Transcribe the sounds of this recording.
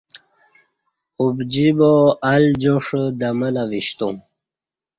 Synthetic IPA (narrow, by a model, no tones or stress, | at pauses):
ubd͡ʑiboald͡ʑoʂd̪əməlaviɕt̪ũ